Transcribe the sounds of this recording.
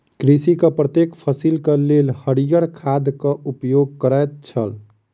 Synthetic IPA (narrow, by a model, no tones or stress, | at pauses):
kɾisikəpɾət̪jekpʰəsilkəlelhəɽijəɾkʰad̪kəupjoɡ̚kəɾəjt̪̚t͡ʃʰəl